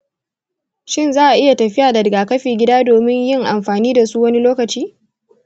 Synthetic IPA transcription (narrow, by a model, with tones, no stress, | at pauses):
ʃɪ˦nzaː˦ʔa˨ʔɪ˦ja˨tɐ˨ɸɪ˦jaː˨dɐ˨dɡaː˨kɐ˦ɸeː˨ɡʲɪ˦daː˦doː˨mɪ˦ɲjɪ˦ŋʔa˨mɸaː˨niː˦da˨su˦wɐ˦ni˦loː˦kɐ˨t͡ʃiː˦